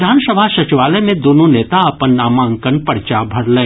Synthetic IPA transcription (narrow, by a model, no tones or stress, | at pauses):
d̪ʱaːnsəbʱasɐt͡ʃiʋaːləmẽd̪oːnoneːt̪aɐpənːaːmaə̃ŋkənpɐɽt͡ʃabʱɐɽlẽ